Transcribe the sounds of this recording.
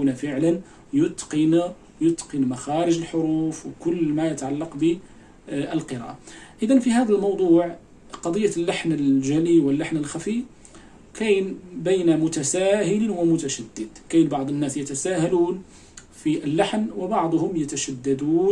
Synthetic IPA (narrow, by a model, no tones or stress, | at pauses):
unafəʕlən | jʊt̪ːqin | jʊt̪ːqinmaxɑɾəʒəlħoɾuːfwkʊlːmæjət̪ʕalːɑqbə | ʔəlqəɾɑ̰ʔaʔəd̪ænfiɦæd̪ælmɑwd̪ˤuːʕ | qɑd̪ˤəjːalːaħnəlʒæliwəlːaħnəlxæfi | kæjnbæjnamʊt̪æsæɦəlwəmʊt̪æʃæd̪ːəd̪kæjnbɑʕd̪ˤənːæsjət̪æsæɦæluːn | fiʔəlːaħnwəbɑʕd̪ˤhʊmjət̪æʃæd̪ːæd̪uː